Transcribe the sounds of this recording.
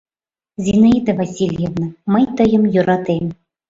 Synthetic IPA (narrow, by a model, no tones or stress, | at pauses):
zʲinaid̪ɐvasʲilʲjevnaməjt̪ɤjə̆mjuɾɑt̪em